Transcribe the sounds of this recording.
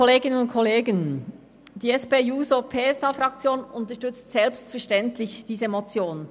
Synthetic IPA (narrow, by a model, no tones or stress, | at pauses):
kɔleːɡɪnənʊntkʰɔleːɡən | d̥iːɛsbeːuːzopʰeːɛsɑfʁɑkt͡sjoːnʊntəɐʃtʏt͡stsɛlpstfɛɐʃtɛntlɪçd̥iːzəmot͡sjoːn